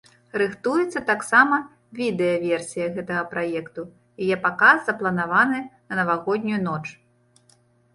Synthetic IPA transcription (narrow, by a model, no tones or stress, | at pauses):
rɨxt̪ujɛt̪sːɐt̪aksamɐ | vʲid̪ɛjɐvʲɛrsʲijɐɣɛt̪ɐɣɐpɾajɛkt̪u | jajɛpakazzɐplˠɐnavanɨnɐnɐvaɣɔd̪ʲnʲujunɔt͡ʂ